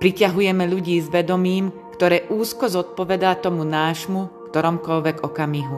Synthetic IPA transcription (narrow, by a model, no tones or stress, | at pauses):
pɾicaɦujɛmɛʎuɟiːzʋɛd̪ɔmiːm | kt̪ɔɾɛːʔuːskɔzɔt̪̚pɔʋɛd̪at̪ɔmunaːʒmukt̪ɔɾɔmkɔlʋɛɡɔkamiɦu